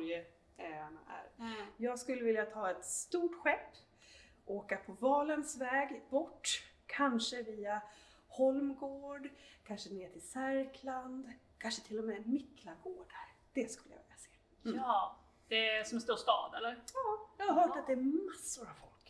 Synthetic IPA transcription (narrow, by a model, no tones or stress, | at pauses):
jə | ɛana̰ʔæ̰ɾjɑːɡskɵlːəvɪljat̪ʰɑːɛt̪st̪uːʈɧɛpː | ʔoːkapʰɔvɑːlənsvɛːɡbɔʈːkʰanʂəviːahɔlmɡoːɖkʰanʂəneːʈʰɪlsæɾkʰland̪kʰanʂət̪ʰɪlːɔmɛːmɪkːlaɡoːɖaɾd̪̥ɛskɵ̥lːəja̰vɪ̰ljaseː | d̥̪ɛsɔmɛnst̪uːst̪ɑ̰ːd̪ɛlːəɾɑːjɑːhaɾɦœːʈat̪̚d̪ɛæmasːʊɾavfɔlk